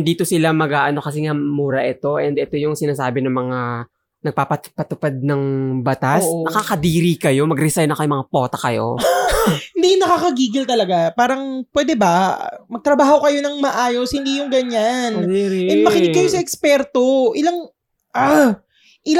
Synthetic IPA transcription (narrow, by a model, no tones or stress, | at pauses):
nd̪iːt̪o̞sɪlamɐɡaːʔɐno̞kɐs̬ɪŋamuːɾɐʔɛt̪o̞ʔɛnd̪ɛt̪o̞jʊŋsɪnaːsaːbɪnɐŋmɐŋa | nɐɡ̚paːpɐpɐt̪ʊpad̪̚nɐŋbɐt̪asnɐkaːkɐd̪iːɾikɐjo̞mɐɡɾɪsajnɐkɐjʊmɐŋapo̞ːt̪ɐkɐjo̰ | hhɪnd̪ijʊnɐkaːkɐɡiːɡɪlt̪ɐlɐɡapaːɾɐŋpwɛːd̪ɛbɐmɐɡ̚t̪ɾɐbaːho̞kɐjo̞nɐŋmɐʔaːjo̞shɪnd̪ijʊŋɡɐɲanɛnmɐkɪɪkːɐjosɐʔɛkspɛɾt̪o̞ʔɪlaŋ | ʔa | ʔɪl